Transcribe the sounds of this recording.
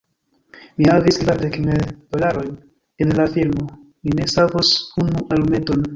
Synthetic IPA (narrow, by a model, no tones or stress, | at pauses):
mihavisklaɾdekmedolaɾo̞jn | enlafilmo̞ | mine̞savosunuʔalume̞to̞n